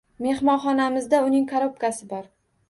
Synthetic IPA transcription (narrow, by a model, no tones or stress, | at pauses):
me̞hmɒnχɒnamɪzd̪aʊnɪŋkʰaɾop̚kasɪbɒɾ